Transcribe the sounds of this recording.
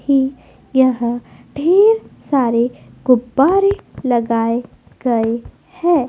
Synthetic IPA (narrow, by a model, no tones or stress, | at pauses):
hi | jɐɦãɖʱeːɾsaːɾeɡ̥ʊbːaːɾelɐɡaːe | ɡɐe | hɛ̃ː